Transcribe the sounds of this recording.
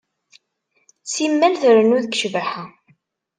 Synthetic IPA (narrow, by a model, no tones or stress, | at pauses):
simːælθəɾənuðəkʃvəħa